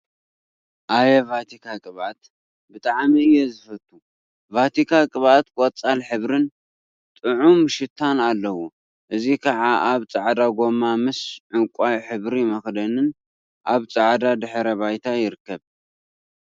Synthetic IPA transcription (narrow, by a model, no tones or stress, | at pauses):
ʔajɛvat̪ʰikʰakʼɨβat̪ | bɨt̪ʼaʕmiɨjːɛzɨfɐt̪ʰːu | vat̪ʰikʰakʼɨβat̪kʷʼot͡sʼːalħɨβɾɨn | t̪ʼɨʕumɨʃɪt̪ʰanalːɐwu | ʔɨzikʰɐʕaʔaβt͡sʼaʕd̪aɡo̞mamɨsʕɨŋkʷʼajħɨβɾimɐxd̪ɐnɨn | ʔaβt͡sʼaʕd̪ad̪ɨħɾɐβajt̪ʰajɪɾɨkːɐβ